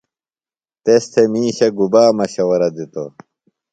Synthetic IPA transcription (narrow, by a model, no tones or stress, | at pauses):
t̪est̪ʰemiːɕɐɡubaːmɐɕɐwɐɾɐd̪it̪o̰